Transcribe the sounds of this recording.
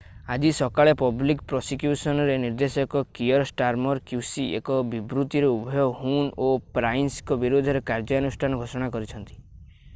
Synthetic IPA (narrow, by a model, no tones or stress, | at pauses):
ad͡ʒisɔkaɭepɔblikpɾɔsikjusɔnɔɾeniɾd̪esɔkɔkiɔɾsʈaɾmɔɾkjusiḛkɔbibɾut̪iɾeubʱɔjɔɦunopɾajnskɔbiɾod̪ʱɔɾekaɾd͡ʒɔanusʈʰanɔɡʱosɔɽ̃akɔɾit͡ʃʰɔnt̪i̥